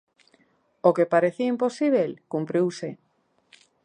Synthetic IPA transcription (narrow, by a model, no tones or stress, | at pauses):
okepaɾeθiimposiβ̞elkumpɾiwse